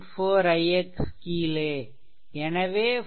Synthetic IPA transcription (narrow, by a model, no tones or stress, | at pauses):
foːɾɐjekskile | enɐʋeː